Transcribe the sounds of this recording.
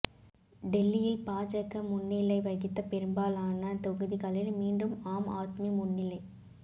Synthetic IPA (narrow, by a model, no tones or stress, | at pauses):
ɖɛlːɪjɪlpaːt͡ʃɐɣːɐmʊnːɪlɐɪʋɐɣɪt̪ːɐpɛɾɯmbaːlaːnɐt̪ɔɣɯðikɐlɪɾmiːɳɖɯmaːma̰ːt̪mijɐmʊnːɪlɐɪ